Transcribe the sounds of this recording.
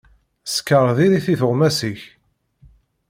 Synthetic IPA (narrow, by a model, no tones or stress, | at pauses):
skːəɾˤðiɾiθiθəʁmæsiç